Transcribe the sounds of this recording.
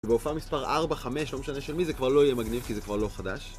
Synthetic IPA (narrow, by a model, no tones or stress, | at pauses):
beufamispaʁʔaʁbaχameʃlo̞meʃane̞ʃelmizekvaʁlo̞ijemaɡnivkizekvaʁlo̞χadaʃ